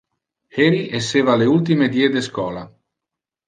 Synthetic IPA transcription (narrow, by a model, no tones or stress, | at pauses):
heɾiʔesːeːvaleult̪̬imed̪ied̪eskɔːla